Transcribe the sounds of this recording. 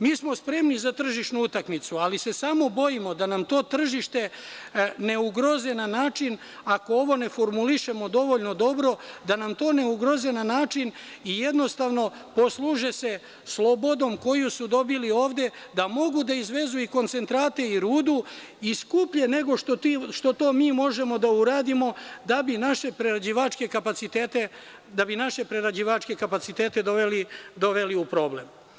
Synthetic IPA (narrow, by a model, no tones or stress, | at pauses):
miːsmo̞spɾe̞mnizat̪r̩ʒiʃnuut̪akmit̪sualise̞samo̞bo̞imo̞d̪anamt̪o̞ːt̪r̩ʒiʃt̪e̞ | ne̞uɡɾo̞zenanaːt͡ʃin | ako̞oʋo̞ne̞fo̞ɾmuliʃe̞mo̞d̪o̞ʋo̞ʎno̞d̪o̞bɾo̞d̪anamt̪o̞ːne̞uɡɾo̞zenanaːt͡ʃin | ije̞d̪no̞st̪aʋno̞ | po̞slˠuʒese̞ | slˠo̞bo̞d̪o̞mko̞jusud̪o̞bilio̞ːʋd̪e̞ | d̪amo̞ɡud̪aizʋe̞zuiko̞nt̪se̞nt̪ɾaːt̪e̞iɾuːd̪u | iskupʎe̞ne̞ɡo̞ʃt̪otiʃt̪o̞t̪o̞ːmiːmo̞ʒe̞mo̞d̪auɾaːd̪imo̞d̪abinaʃe̞pɾeɾad͡ʑiʋat͡ʃke̞kapat̪sit̪et̪e | d̪abinaʃe̞pɾeɾad͡ʑiʋat͡ʃke̞kapat̪sit̪e̞ːt̪e̞d̪oʋelid̪o̞ʋe̞liupɾo̞ːble̞̰m